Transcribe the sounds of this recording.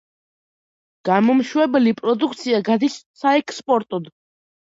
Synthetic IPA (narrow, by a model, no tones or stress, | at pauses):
ɡ̥amɔmʃwɛbɛlipʼɾɔd̪ukʰt̪sʰiaɡad̪issaɛkʰspʼɔɾt̪ʼɔd̪